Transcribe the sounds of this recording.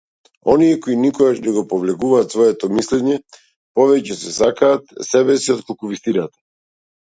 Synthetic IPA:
ɔniɛkɔinikɔɡaʃnɛɡɔpɔvlɛkuvaːt̪svɔɛt̪ɔmislɛɲɛ | pɔvɛcɛsɛsakaːt̪sɛbɛsiɔt̪̚kɔlˠkuvist̪iɾat̪ɛ̥

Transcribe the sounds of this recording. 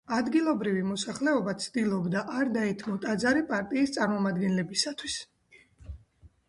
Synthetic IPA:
ad̪ɡilˠɔbɾivimɔsaχlɛɔbat̪sʰd̪ilˠɔbd̪aʔaɾd̪aɛt̪ʰmɔt̪ʼad̪zaɾipʼaɾt̪ʼiːst̪sʼaɾmɔmad̪ɡɛnlɛbisat̪ʰwis

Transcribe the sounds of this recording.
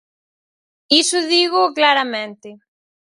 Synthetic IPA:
isʊðiɣʊklaɾamẽnt̪ɪ

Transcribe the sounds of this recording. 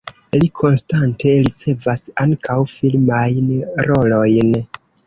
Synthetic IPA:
likʰo̞nstantʰe̞ɾit͡se̞vasaŋkʰawfilmajnɾo̞lo̞jn

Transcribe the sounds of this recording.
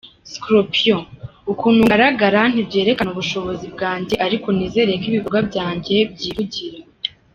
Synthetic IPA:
skɾopioukuːn̥uŋɡaɾaɡaɾan̥ibɟe̞ːɾe̞kanuβuʃo̞βo̞zibɡaːɲdiʔaɾiko̞niːze̞ːɾe̞jekiβiβuɡabɟaːɲɟe̞b̚ɟiːɾuɟiɾe

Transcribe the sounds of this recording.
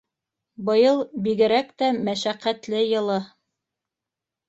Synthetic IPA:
bɤ̆jɤlˠbiɡɘ̆ɾækt̪æmæʃæqːæt̪lɘjɤ̆lˠɤ

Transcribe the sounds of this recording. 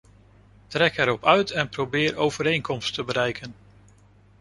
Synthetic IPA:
trɛkɛɾɔpœɥtɛnprobɪːɹowv̥əɾejnkɔmstəbəɾɛjkʰən

